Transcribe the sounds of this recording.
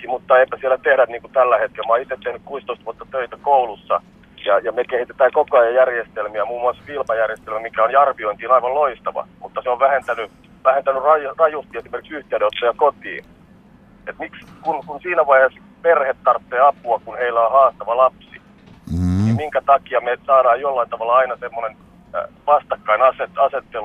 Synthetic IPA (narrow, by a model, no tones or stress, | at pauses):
kimut̪ːɑeipːæsielːæt̪ehɾæt̪niːŋkut̪ælːæhet̪̚kelmɑːit̪ːˑet̪t̪ehnykkuist̪oist̪ʋuot̪ːɑt̪øit̪ækoulusːɑ | jɑjɑmekehit̪et̪æːkokoɑjɑjærjest̪elmiæmuːmuɑsfilmɑjærjest̪elmæmikæonjɑrʋioint̪iːnɑiʋɑlloist̪ɑʋɑ̰mut̪ːɑseoʋʋæhent̪æny | ʋæhent̪ænyrɑjrɑjust̪iesimerkiksyht̪eæneot̪ːɑjɑkot̪ḭːn | et̪mikskunkunsiːnæʋɑihes | perhet̪t̪ɑrp̪ːeːɑpuɑkunheilːæohɑːst̪ɑʋɑlɑpsi | nimiŋkæt̪ɑkiɑmesɑːɾɑːjjolːɑint̪ɑʋɑlːɑɑinɑsemːonen | ʋɑst̪ɑkːɑinɑset̪ɑset̪ːel